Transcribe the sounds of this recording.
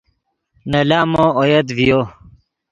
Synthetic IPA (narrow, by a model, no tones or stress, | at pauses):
nɐlaːmoojɐd̪vijo